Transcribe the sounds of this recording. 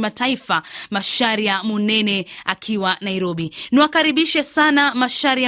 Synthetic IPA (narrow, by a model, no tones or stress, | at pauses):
mataifamaʃaɾijamunɛnɛakʰiwanaiɾɔɓiniwakaɾiɓiʃɛsanamaʃaɾi